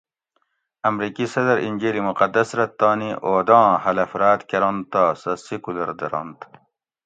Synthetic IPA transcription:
ɐmɾikisɐd̪ɐɾinʲd͡ʑeːlimuqɐd̪ːɐsɾɐt̪ːɑːniʔoːd̪ɑ̃ːhɐlɐfɾaːt̪keɾõnt̪ːaːsɐsikulɐɾd̪eɾo̰nt̪

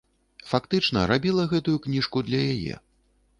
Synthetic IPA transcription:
fakt̪ɨt͡ʂnɐɾabʲilˠɐɣɛt̪ujuknʲiʂkud̪lʲɐjajɛ̰

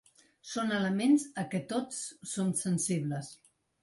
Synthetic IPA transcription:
sonələmenzəkɛt̪ot͡sːomsənsiβləs

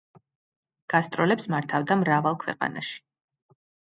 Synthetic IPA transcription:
ɡ̥ast̪ʼɾɔlɛpsmaɾt̪ʰavd̪amɾavalˠkʰwɛ̰qʼa̰na̰ʃi̥

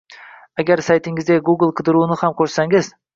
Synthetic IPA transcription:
aɡʲaɾsajt̪ʰɪŋɪzdʲeɡuɡlˠqʰɨd̪ɪɾunɪhamkʲʰɵɾsaŋɪz̥

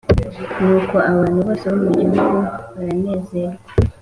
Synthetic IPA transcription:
nuːko̞aβaːn̥huβoːseβumuɲaɡoβaɾaneːze̞ɾa

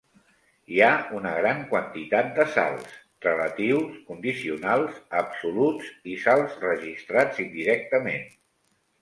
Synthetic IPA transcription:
iaunəɣɾaŋkwənt̪it̪at̪̚d̪əsa̰lˠs | rələt̪iwskund̪isiunalˠzəpsulutd͡zisalˠzrəʒist̪ɾad͡zind̪iɾɛk̚t̪əmen

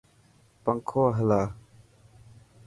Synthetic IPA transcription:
pɐŋkʰɔɦəlaː

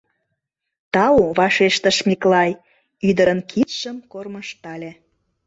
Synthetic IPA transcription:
t̪ɑuβɑʃeʃt̪əʃmiklɑj | yd̪əɾənkʰit̪ʃəmkorməʃt̪ɑlʲe

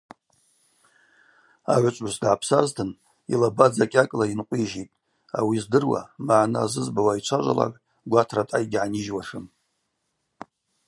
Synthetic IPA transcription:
a̰ʕʷat͡ʃʷʼusdʕapʰsaztʰɨn | ilabad͡zakʲʼakʼlainqʷʼiʒitʼ | a̰wizdɨrwa̰maʕnɨazɨzbawait͡ʃʷʰaʒʷa̰la̰kʼ | ɡʷatʰratʼajɡʲʕaniʒwaʂɨm

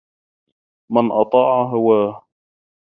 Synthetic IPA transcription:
manʔɑt̪ˤɑːʕaɦawaːh

